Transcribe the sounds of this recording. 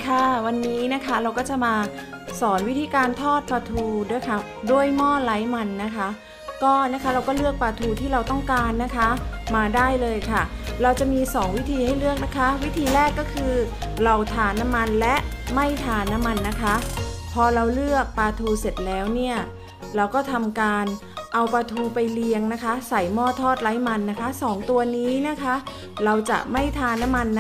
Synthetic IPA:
kʰa˥˩wa˧nːiː˦˥na˦˥kʰa˦˥ɾa˧wkɔː˥˩t͡ɕa˨˩ʔmaː˧sɔː˩˦nwi˦˥t̪ʰiː˧kaː˧nt̪ʰɔː˥˩t̪̚paː˧t̪ʰuː˧du˥˩əjkʰa˦˥˩ | du˥˩əjmɔː˥˩la˦˥jma˧nːa˦˥kʰa˦˥ | kɔː˥˩na˦˥˩kʰa˦˥ɾa˧wkɔː˥˩lɯ˥˩ək̚paː˧t̪ʰuː˧t̪ʰiː˥˩ɾa˧wt̪ɔ˥˩ŋkaː˧nːa˦˥kʰa˦˥maː˧daː˥˩jlɤː˧jkʰa˥˩ɾa˧wt͡ɕa˨˩ʔmiː˧sɔː˩˦ŋwi˦˥t̪ʰiː˧ha˥˩jlɯ˥˩ək̚na˦˥kʰa˦˥wi˦˥t̪ʰiː˧ɾɛː˥˩kːɔː˥˩kʰɯː˧ɾa˧wt̪ʰaː˧na˦˥mːa˧nlɛ˦˥ʔma˥˩jt̪ʰaː˧na˦˥mːa˧nːa˦˥kʰa˦˥ʔpʰɔː˧ɾa˧wlɯ˥˩ək̚paː˧t̪ʰuː˧se˨˩t̪̚lɛː˦˥wni˥˩ɐ | ɾa˧wkɔː˥˩t̪ʰa˧mkaː˧n | ʔa˧wpaː˧t̪ʰuː˧pa˧jli˧əŋna˦˥kʰa˦˥sa˨˩jmɔː˥˩t̪ʰɔː˥˩t̪̚la˦˥jma˧nːa˦˥kʰa˦˥sɔː˩˦ŋt̪u˧ɐniː˦˥na˦˥kʰa˦˥ | ɾa˧wt͡ɕa̰˨˩ʔma˥˩jt̪ʰaː˧na˦˥mːa˧nː

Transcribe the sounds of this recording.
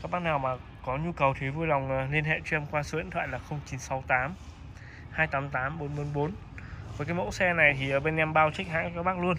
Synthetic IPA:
ka˦˥k̚ɓaː˦˥k̚naː˨˩wmaː˨˩ | kɔ˨˦ɲu˧kə˨˩wt̪ʰi˨˦vu˧jla˨˩wŋ͡mli˧ənɦḛ˧˨t͡ɕwɛ˧mkwaː˧snt̪ʰwa̰ː˧˨jlaː˨˩xə˧wŋ͡mt͡ɕi˨˦nsɔ˨˦wt̪aː˨˦m | haː˧jt̪aː˨˦mt̪aː˨˦mɓo˨˦nɓo˧nɓo˨˦n | vəː˨˦kaː˨˦jmo̰˧˥sɛ˧na˨˩jt̪ʰi˨˩ʔəː˧˩ɓe˧nʔɛ˧mɓaː˧wt͡ɕa˦˥k̚ɦa̰ː˧˥ŋkaː˦˥k̚ɓaː˦˥k̚lu˧ən

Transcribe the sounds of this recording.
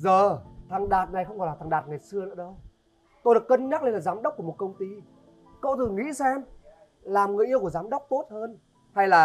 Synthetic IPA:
zəː˨˩t̪ʰa˨˩ŋɗaː˨˩t̚na˨˩jxə˧wŋ͡mkɔ˨˩jlaː˨˩a˨˩ŋɗaː˨˩t̚ŋa˨˩jsɨ˧ənɨ̰˧˥ɗə˧w | t̪o˧jɗəkːə˧nɲa˦˥le˧nlaː˨˩zaː˨˦mɗə˦˥wk͡p̚ku˧˩əo˨˩t̚kə˧wŋ͡mt̪i˧ | ko̰˧˥t̪ʰɨ˨˩ŋḭ˧˥sɛ˧m | laː˨˩mŋɨ˨˩əjʔi˧əwku˧˩əzaː˨˦mɗə˦˥wk͡p̚t̪o˦˥t̚həː˧n | ha˧jlaː˨˩

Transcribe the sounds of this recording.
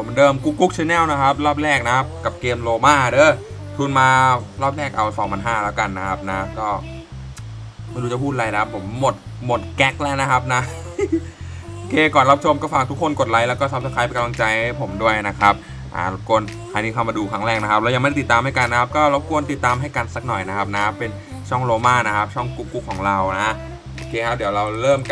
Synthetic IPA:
pʰo˩˦mdɤː˧mku˦˥kːu˦˥k̚t͡ɕʰeː˧nɛː˥˩˨wna˦˥kʰa˦˥p̚ɾɔː˥˩p̚ɾɛː˥˩k̚na˦kʰa˦˥p̚ka˨˩p̚keː˧mloː˧maː˥˩dɤː˧˩ | t̪ʰu˧nmaː˧lɔː˥˩p̚ɾɛː˥˩k̚ʔa˧wsɔː˩˦mʰa˧nɦaː˥˩lɛː˦˥wka˧nːa˦˥kʰa˦˥p̚na˦˥kɔː˥˩ | ma˥˩jduː˧t͡ɕa˧˩pʰuː˥˩t̪̚la˧jna˦kʰa˦˥pʰːo˩˦mːo˨˩t̪̚mo˨˩t̪̚kɛ˦˥k̚lɛː˦˥˩na˦˥kʰa˦˥p̚na˦˥ | ʔo˧˩kʰeː˧kɔː˨˩nɾa˦˥p̚t͡ɕʰo˧mkɔː˥˩faː˨˩k̚t̪ʰu˦˥kʰːo˧nko˨˩t̪̚la˨˦jlɛː˦˥wkɔː˥˩sa˦˥mt̪ʰa˧˥kʰa˧˥jpe˧ka˧mla˧ŋt͡ɕa˧jpʰo˨˩˦mdu˥˩əjna˦˥kʰa˦˥p̚ | ʔa̰˨˩˧kʰo˧ən | kʰaː˧jniː˧˩kʰa˧˩maː˧duː˧kʰɾa˦˥ŋɾɛː˧˩ŋna˦kʰa˦˥p̚lɛ˦˥wja˨ma˥˩ɾa˥˩ti˨˩t̪ːaː˧ma˥˩jka˧nː˦kʰa˦˥p̚kɔː˥˩ɾa˧wkʰu˧ənt̪i˨˩t̪ːaː˧mɦa˥˩jka˧nsa˨˩k̚nɔ˨˩jna˦˥kʰa˦˥p̚na˦kʰa˥pːe˧n | t͡ɕʰɔ˥˩ŋɾoː˧maː˥˩na˦˥kʰa˦˥p̚t͡ɕʰɔ˥˩ŋku˨˩p̚kːu˨˦˩kʰːɔː˩˦ŋɾa˧wna˦˥ | ʔoː˧˩kʰeː˧kʰa˦˥p̚di˩˦wɾa˧wɾɤː˥˩m

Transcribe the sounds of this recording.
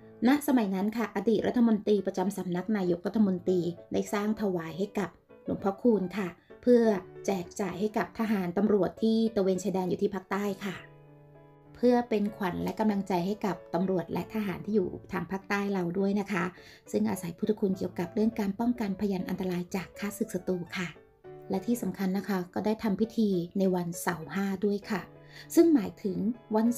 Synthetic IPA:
na˦˥ʔsa˧ma˨˩˦jna˦˥nkʰa˥˩ʔa˧diː˨˩t̪̚ɾa˦˥t̪ʰːa˧mo˧nt̪ɾiː˧pɾa˧t͡ɕa˧msa˩˦mna˦˥k̚naː˧jo˦˥k̚ɾa˦˥t̪ʰːa˧mo˧nt̪ɾiː˧da˦˥˩jsaː˥˩ŋt̪ʰa˧waː˨˩˦jɦa˥˩jka˨˩p̚ | lu˨˩˦ŋpʰɾɔ˦˥kʰuː˧nkʰa˥˩pʰɯ˥˩ɐt͡ɕɛː˨˩k̚t͡ɕaː˨˩jha˥˩jka˨˩p̚t̪ʰaː˧ɦaː˩˦nt̪a˧mɾu˨˩ət̪ʰːiː˥˩t̪u˧weː˧nt͡ɕʰaː˧jdɛː˧njuː˨t̪ʰiː˥˩pʰaː˦˥k̚t̪aː˥˩jkʰa˥˩ | pʰɯ˥˩ɐpe˧nkʰwa˩˦nlɛ˦˥ʔka˧mla˧ŋt͡ɕa˧jɦa˥˩jka˨˩p̚t̪a˧mɾu˨˩ət̪̚lʔɛ̰˦˥ʔt̪ʰaː˧ɦaː˩˦nt̪ʰiː˥jṵː˨˩t̪ʰaː˧ŋpʰaː˥˩k̚t̪aː˥˩jɾa˧wdu˥˩əjna˦˥kʰa˦˥ | sɯ˥˩ŋʔaː˧sa˩˦jpʰu˥t̪ʰːa˧kʰu˧nki˨˩əwka˨˩p̚ɾɯ˥˩əŋkaː˧npɔ˥˩ŋka˧npʰa˧jaː˧nʔa̰˧nt̪a˧ɾaː˧jt͡ɕaː˨˩kʰːaː˥˩sɯ˨˩k̚sa˧t̪uː˧˩kʰa˥˩ | lɛ˦˥t̪ʰiː˥˩sa˩˦mkʰa˧nːa˦˥kʰa˦˥kɔː˥˩daː˥˩jt̪ʰa˧mpʰi˦˥t̪ʰiː˧na˧jwa˧nsa˩˦wɦaː˥˩du˥˩əjkʰa˥˩ | sɯ˥˩ŋmaː˩˦jt̪ʰɯ˩˦ŋwa˧n

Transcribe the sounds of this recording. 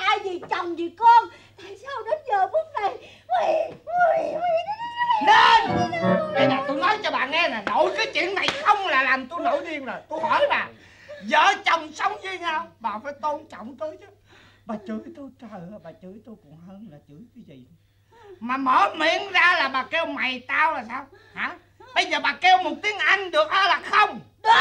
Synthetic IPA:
ʔaː˧jzi˨˩t͡ɕə˨˩wŋ͡mzi˨˩kɔ˧n | t̪aː˧˨jsaː˧wɗɔ˨˦zəː˨˩ɓɨ˦˥ək̚na˨˧˩j | neə˧˩na˧jɓaː˨˩t̪u˧jnɔ˨˦jt͡ɕɔ˧ɓa̰ː˨˩ŋɛ˧naː˨˩no̰˧˨jkaː˨˦jt͡ɕwḭ˧˨ənːa˨˩jxə˧wŋ͡mlaː˨˩laː˨˩mt̪u˧no̰˧˨˦jɗi˧əŋzo˨˩jt̪u˧jhɔ˧˩˦jɓaː˨˩ | zəː˧˨˩t͡ɕə˨˩wŋ͡msə˨˦wŋ͡mzi˧ɲaː˧wɓaː˨˩faː˧˩˦jt̪o˧nt͡ɕɔ̰˧˨wŋ͡mt̪ɨ˨˦t͡ɕɨ˨˦ | ɓaː˨˩t͡ɕɨ˧˩˦jt̪u˧t͡ɕə˨˩jaː˨˩ɓaː˨˩t͡ɕɨ˧˩˦jt̪u˧jkʊ̰˧˩ŋ͡mhəː˧nlaː˨˩t͡ɕɨ˧˩˦jk̪ɨ˨˦zḭ˧˨ɗ | maː˨˩məː˨˦mḭ˧˨ənzaː˧laː˨˩ɓaː˨˩kɛ˧wma˨˩jt̪aː˧wzaː˨˩saː˧w | haː˨˦ | ɓə˧jzəː˨˩ɓaː˨˩kɛ˧wmo˨˩t̚t̪i˨˦əŋʔa˧jŋ̟ɗɨ˨˩ək̚ʔaː˨˦laː˨˩xə˧wŋ͡m

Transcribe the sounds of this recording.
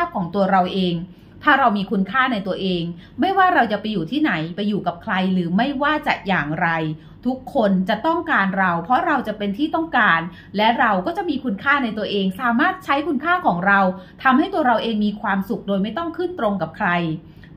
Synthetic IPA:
aː˥˩p̚kʰɔː˩˦ŋt̪u˧ɐɾa˧wʔeː˧ŋ | t̪ʰaː˥˩ɾa˧wmiː˧kʰu˧nkʰaː˥˩na˧jt̪u˧ɐʔeː˧ŋma˥˩jwaː˥˩ɾa˧wt͡ɕa˨˩pa˧jːuː˨˩t̪ʰiː˥˩na˩˦jpa˧jːuː˨˩ka˨˩p̚kʰla˧jɾɯː˩˦ma˥˩jwaː˥˩t͡ɕa˨˩ʔjaː˨˩ŋɾa˧j | t̪ʰu˦˥kʰːo˧nt͡ɕa˨˩ʔt̪ɔ˥˩ŋkaː˧nɾa˧wpʰɾɔ˦˥ɾa˧wt͡ɕa˨˩ʔpe˧nt̪ʰiː˥˩t̪ɔ˥˩ŋkaː˧n | lɛ˦˥ɾa˧wkɔː˥˩t͡ɕa˨˩ʔmiː˧kʰu˧nkʰaː˥˩na˧jt̪u˧ɐʔeː˧ŋsaː˩˦maː˥˩t̪̚t͡ɕʰa˦˥jkʰu˧nkʰaː˥˩kʰɔː˩˦ŋɾa˧wt̪ʰa˧mha˥˩jt̪u˧ɐɾa˧wʔeː˧ŋmiː˧kʰwaː˧msu˨˩k̚doː˧jma˥˩jt̪ɔ˥˩ŋkʰɯ˥˩nt̪ɾo˧ŋka˨˩p̚kʰɾa˧j

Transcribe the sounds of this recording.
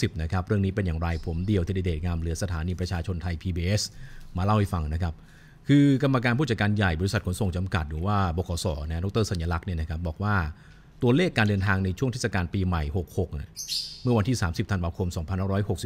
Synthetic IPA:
i˨˩p̚na˦˥kʰa˦˥p̚ɾɯ˥˩ŋniː˦˥pe˧njaː˨˩ŋɾa˧jpʰo˩˦mdi˧əwt̪ʰiː˥˩da˧˥˩deː˨˩t̪̚ŋaː˧mlɯ˩˦sa˧t̪ʰaː˩˦niː˧pɾa˧t͡ɕʰaː˧t͡ɕʰo˧nt̪ʰa˧jpʰiː˧biː˧ʔe˦˥smaː˧la˥˩wha˥˩jfa˧ŋna˦˥kʰa˦˥p̚ | kʰɯː˧ka˧mːa˧kaː˧npʰuː˥˩t͡ɕa˧˩kaː˧nja˨˩jbɔː˧ɾi˧sa˨˩t̚kʰo˦nso˨˩ŋt͡ɕa˧mka˨˩t̪̚ɾɯː˩˦waː˥˩bɔː˨˧˩kʰɔː˩˦sɔ̰ː˩˦nɛ˦˥dɔ˦˥k̚t̪ɤː˥˩sa˩˦jaː˧la˦˥k̚ni˥˩ɐna˦kʰa˦˥p̚bɔː˨˩k̚waː˥˩ | t̪u˧ɐleː˥˩kːaː˧ndɤː˧nt̪ʰaː˧ŋna˧jt͡ɕʰu˥˩ŋt̪ʰe˥˩sa˧kaː˧npiː˧ma˨˩jho˨˩k̚ho˨˩k̚na̰˥˩mɯ˥˩ɐwa˧nt̪ʰiː˥˩saː˩˦msi˨˩p̚t̪ʰa˧nwaː˧kʰo˧msɔː˩˦ŋpʰa˧nha˥˩ɾɔː˦˥jɦho˨˩k̚si˨

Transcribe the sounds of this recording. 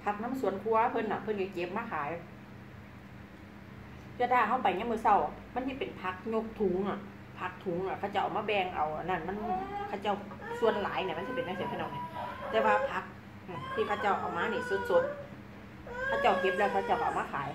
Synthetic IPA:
pʰa˧˥k̚na˧˥˨msu˧˨ənkʰu˧ɐ˧pʰɤ˧˥˨nːa˧˨˩pʰɤ˧˥˨nka˧˩ke˧˦p̚maː˧˥˩kʰaː˨˦j | t̪ʰaː˧˩ɦa˧˥˩wpa˨jɲa˧˥˨mɯː˧˨sa˧˩wma˧˥˨nsi˧˥˩pe˨˩npʰa˧˥k̚ɲo˧˥k̚t̪ʰu˨˦ŋa˧˩ | pʰa˧˥k̚t̪ʰu˨˦ŋʔa˨˧˨kʰa˧˩wt͡ɕa˧˩wʔa˨˩maː˧bɛː˧˩ŋʔa˨˩wʔa˨˩na˧˩nma˧˥˨nkʰa˧˩wt͡ɕa˧˩w | su˧˨ənlaː˨˦jnaː˧˩˨m˧˥˨nsi˧˥˩pe˨nma˧˥˩sa˨˩pʰːnɔ˧˩˨na˧˩t̪ɛː˧waː˧˩pʰa˧˥k̚ | ʔɯ˧˨˩t̪ʰiː˧˩kʰa˧˩wt͡ɕa˧˥˩wʔa̰˨˩wmaː˧˥˨niː˧˩so˧˦t̪̚so˧˦˥t̪̚ | kʰaː˧˥˩wt͡ɕa˧˩wke˧p̚lɛː˧˩wkʰa˧˩˨t͡ɕa˧˩wka˨˩wmaː˧˥˧kʰaː˨˦j

